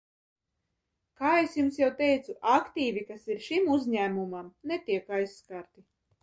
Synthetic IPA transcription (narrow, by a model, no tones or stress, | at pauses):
kaːesjumsjawt̪ɛjt̪suʔakt̪iːvʲikasiɾʃimuzʲɲæːmumamnet̪iɛkajsːkaɾt̪i